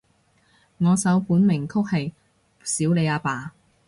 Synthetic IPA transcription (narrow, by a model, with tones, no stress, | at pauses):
ŋɔː˨˧sɐ˨˥wpuː˨˥nmɪ˨˩ŋkʰʊ˥k̚hɐ˨j | siː˨˥wle˨˧jaː˧paː˨